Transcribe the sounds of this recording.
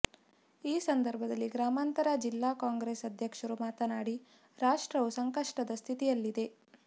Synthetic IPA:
iːsɐnd̪ɐɾbʱɐd̪ɐlːiɡɾaːmaːnt̪ɐɾɐd͡ʒilːaːkaːŋɡɾeːsɐd̪ʱjɐkʂɐɾumaːt̪ɐnaːɽi | ɾaːʂʈɾɐʋusɐŋkɐʂʈɐd̪ɐst̪ʰit̪ijɐlːid̪e̞

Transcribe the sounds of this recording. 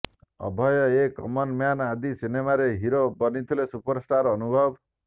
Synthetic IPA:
ɔ̰bʱʌjɔekɔmɔnmjanad̪isinemaɾeɦiɾobʌnit̪ʰilesupɔɾsʈaɾʌnubʱʌb

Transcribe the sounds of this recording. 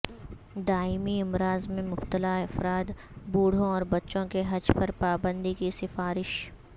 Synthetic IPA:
d̪aːɪmiɪmɾaːzmẽmʊbt̪əlaɐfɾaːt̪ | buːɽ̤õɔːɾbɐtːʃõkeɦɐd͡ʒpɐɾpaːbə̃nd̪ikisɪfaːɾɪʃ

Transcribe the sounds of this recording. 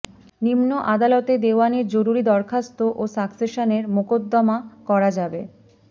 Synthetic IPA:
nimnoʔad̪alɔt̪ed̪eoaneɾd͡ʑoɾuɾid̪ɔɾkʰast̪oʔosakseʃaneɾmokod̪ːɔmakɔɾad͡ʑabe

